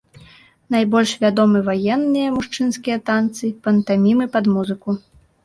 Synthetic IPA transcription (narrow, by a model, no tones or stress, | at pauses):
najbɔlʲʂvʲad̪ɔmɨvajɛnːɨjɐmuʂt͡ʂɨnskʲijɐt̪ant̪sɨpɐnt̪amʲimɨpɐd̪muzɨku